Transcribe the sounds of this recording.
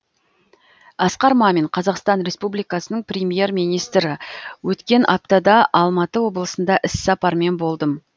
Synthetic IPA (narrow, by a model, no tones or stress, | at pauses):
ɑsqɑɾmɑme̞ɴqʰɑzɑqst̪ɑnɾʲe̞spublijkɑsənəɴprʲemje̞rmijnijst̪ɾɪwɵt̪kʲe̞nʔɑp̚t̪ɑd̪ɑʔɑlˠmɑt̪əwo̞blˠəsənd̪ɑʔɪssɑpɑɾme̞nbo̞lˠd̪əm